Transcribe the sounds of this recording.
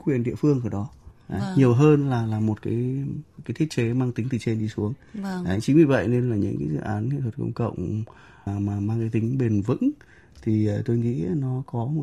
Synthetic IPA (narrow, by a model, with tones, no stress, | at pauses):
xwi˨˩ənɗḭ˧əfɨ˧əŋʔaː˧˩ɗɔ˨˦ʔa˨˦ɲi˨˩əwɦəː˧nlaː˨˩laː˨˩mo˨˩t̚kaː˨˦jkaː˨˦jt̪ʰi˦˥ət̚ke˨˦maː˧ŋt̪i˨˦ŋt̪ʰi˨˩t͡ɕe˧nɗi˧su˨˦əŋ˨a̰˧˨jŋt͡ɕi˨˦vi˨˩və̰˧˨jne˧nlaː˨˩ɲɨ̰˧˥ŋkaː˨˦zɨ̰˧˨ʔaː˨˦nŋa̰˧˨t̪ʰə˨˩t̚kə̰˧wŋ͡mkə̰˧˨wŋ͡m | maː˨˩maː˧ŋkaː˨˦jt̪ï˨˦ŋ̟ɓe˨˩nvɨ̰˧˥ŋ | t̪ʰi˨˩əː˨˩t̪o˧jŋḭ˧˥nɔ˨˦kɔ˨˦mo˨˩